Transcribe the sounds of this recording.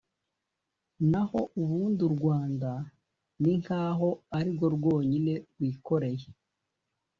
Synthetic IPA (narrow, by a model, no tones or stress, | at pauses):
naho̞ʔuβuːnduɾɡwaːnda | niŋ̥haːɦo̞aɾibɡo̞ɾɡwo̞ːɲine̞ɾɡwiːko̞ɾe̞je